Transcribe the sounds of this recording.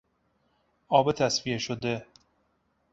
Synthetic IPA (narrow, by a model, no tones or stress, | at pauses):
ɒːbet̪ʰæsvieʃod̪e̞